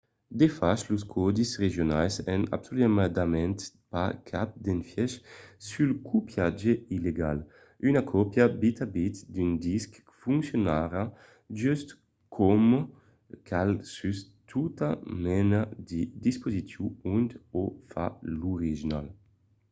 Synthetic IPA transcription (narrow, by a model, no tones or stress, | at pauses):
d̪efaʃluskʰɔd̪isʁeʒjonajsɛna̰bsolimad̪amɛnt̪ | pakʰap̚d̪enfjɛʃsylkʰupjad͡ʒeileɡal | ynakʰɔpjabit̪abit̪d̪ynd̪isk | fuŋksjonaɾa | d͡ʒyst̪ | kʰɔm | kʰalsys | t̪ʰut̪amɛnad̪id̪ispozisjuunt̪ofa̰luʁiʒina̰l